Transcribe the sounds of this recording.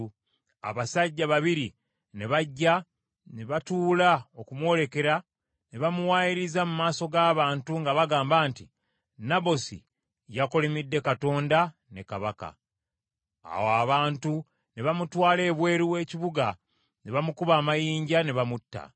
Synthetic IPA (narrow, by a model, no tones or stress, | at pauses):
a̰βasaɟːaβaβiɾi | ne̞βaɟːa | neβatuːlao̞kumwo̞ːle̞ke̞ɾa | ne̞βamuwaːjiɾizamumaːso̞ɡaːβaːntuŋɡaβaɡaːmbaːnti | naβo̞sḭ | jako̞lemidːe̞kato̞ːnda | ne̞kaβaka̰ | a̰woaβaːntu | neβamutwaːle̞ːβwe̞ːɾiwe̞ːciβuɡa | neβamukuβaːmajiːɲɟaneβamutːa̰